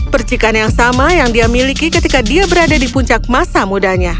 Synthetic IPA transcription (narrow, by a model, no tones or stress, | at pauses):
pərt͡ʃikanjaŋsamajaŋdiamilikikət̪ikadiabəɾadadipuɲt͡ʃak̚masamudahɲa